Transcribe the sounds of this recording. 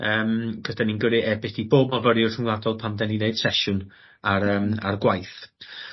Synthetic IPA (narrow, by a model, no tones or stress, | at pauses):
əːmɡ̥əd̥aninɡəɾɨʔɛbɪθiboːbmɔvəɾjʊrəŋwlˠadɔlˠpʰamdɛnineɨd̥sɛʃʊn | aɾəːma̰rɡwajθ